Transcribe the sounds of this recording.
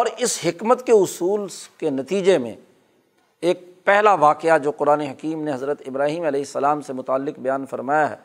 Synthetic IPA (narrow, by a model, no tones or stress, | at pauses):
ɔːɾɪsɦɪkmət̪keʊsuːlkenɐt̪iːd͡ʒemḛ̃ | eːk̚pɛɦlaʋaːqɪad͡ʒoːqʊɾaːneɦɐkiːmnẽɦɐzɾət̪ɪbɾaːɦiːmɐlɛːɦɪsːɐlaːmsemʊt̪aːlːɪqbɐjaːnfɐɾmaːjaɦɛ̰ː